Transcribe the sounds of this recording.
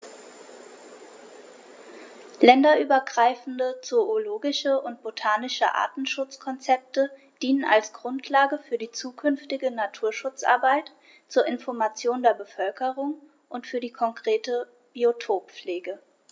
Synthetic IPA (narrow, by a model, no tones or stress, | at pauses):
lɛndɐʔyːbɐɡʁaɪfn̩dət͡sooloːɡɪʃəʔʊnt̚b̥otʰaːnɪʃə̰ʔa̰ːtn̩ʃʊt͡skʰɔnt͡sɛp̚tə | d̥iːnəna̰lsɡ̥ʁʊntʰlaːɡəfyːɐdiːt͡suːkʰʏnftɪɡənatʰuːɐʃʊt͡sʔa̰ɐbaɪt | t͡suːɐʔɪnfɔɐmat͡sjoːndeːɐbəfœlkəʁʊŋ | ʔʊntfyːɐdiːkʰɔŋkʁ̥eːtə | b̥iotʰoːp̚p͡fleːɡə